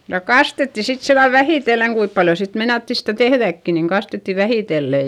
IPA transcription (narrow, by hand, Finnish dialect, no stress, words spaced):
jɑ kɑstetːi sit silːɑl ʋæhiˑtelːeŋ kuip pɑljo sit meinɑtːi stæˑ tehðækːi niŋ kɑstetːi ʋæhiˑtelːe